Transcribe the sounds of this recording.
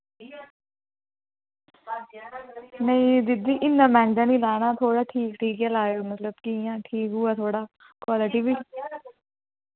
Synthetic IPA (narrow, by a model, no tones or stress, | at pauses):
nəĩːd̪ɪd̪iːʔɪnːãːmɛ̃ːɳɖãːnĩːlaːnaːt̪ʰoːɽaːʈʰiːkʈʰiːkɛlaːjoːmət̪ləbkɪjãːʈʰiːkɦʊaːt̪ʰoːɽaː | kwaːlɪʈiːbiː